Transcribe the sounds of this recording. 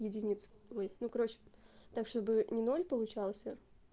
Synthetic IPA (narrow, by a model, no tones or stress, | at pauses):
jɪdʲɪnʲit̪sojnukɐɾo̞t͡ɕɪ̥t̪akʂt̪o̞bɨnʲɪno̞lʲpəlˠʊt͡ɕalˠsʲə